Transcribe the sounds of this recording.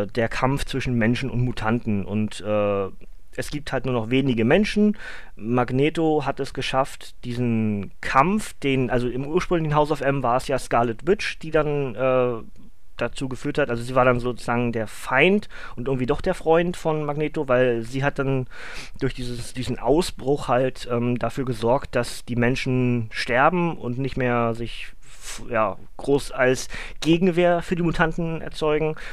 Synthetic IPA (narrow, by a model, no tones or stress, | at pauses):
deːɐkʰamft͡sv̥ɪʃn̩mɛnʃn̩ʊ̰ntmuːtʰantn̩ʔʊntʔɛː | ʔɛsɡ̥iːp̚thalt̚nuːɐnɔχveːnɪɡəmɛnʃn̩ | maɡneːtoɦatɛsɡ̥əʃaft | d̥iːzn̩kʰamfd̥eːnʔalzoɪmʔuːɐʃpʁ̥ʏŋlɪçn̩ɦaʊsaʊfʔɛmvaːɐɛsjaːskalɛtv̥ɪt͡ʃd̥iːdanʔɛː | d̥at͡suːɡəfyːɐthatʔalzoziːvaːɐdanzoːt͡suz̥aːɡŋ̩deːɐfaɪnt | ʔʊntʔɪŋ̩tv̥iːdɔχd̥eːɐfʁ̥ɔʏntfɔnmaɡneːtovaɪlziːɦat̚d̥an | d̥ʊɐçd̥iːzəsd̥iːzn̩ʔa̰ʊsb̥ʁʊxhaltʔɛːmdafyːɐɡəzɔɐkt̚d̥asd̥iːmɛnʃn̩ʃtɛɐbm̩ʊ̰ntnɪçtmeːɐzɪç | jaː | ɡ̥ʁoːsalsɡ̥eːɡŋ̩veːɐfyːɐdiːmutʰantn̩ʔɛ̰ɐt͡sɔʏɡŋ̩